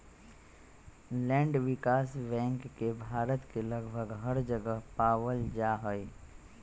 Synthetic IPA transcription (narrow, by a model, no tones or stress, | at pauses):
lɛ̃ːɳɖʋɪkaːsbɛ̃ːŋkːebʱaːɾət̪kelɐɡbʱəɡɦəɾd͡ʒəɡəɦpaːwəld͡ʒaːɦəi